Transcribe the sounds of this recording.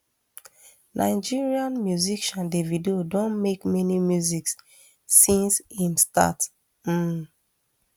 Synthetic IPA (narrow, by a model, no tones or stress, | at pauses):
nʔa̰ɪd͡ʒiɹiãnmjuzikʃãndevidodõnmekmɛnimjuziksː | ĩnshĩmsta̰t | m̩